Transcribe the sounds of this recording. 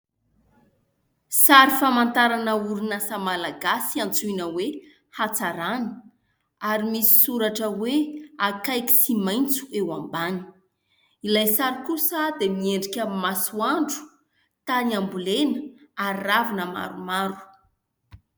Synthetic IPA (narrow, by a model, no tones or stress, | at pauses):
saɾifamant̪aɾanəuɾunasamalaɡasiant͡suinəwe | hat͡saɾanə̥ | aɾimisi̥suɾaʈ͡ʂəweakajki̥simajnt͡su̥ewambani̥ | ilajsaɾikusad̪emieɳɖ͡ʐikʲəmasuaɳɖ͡ʐu̥ | t̪aniambulenəaravinəma̰ɾumaɾu̥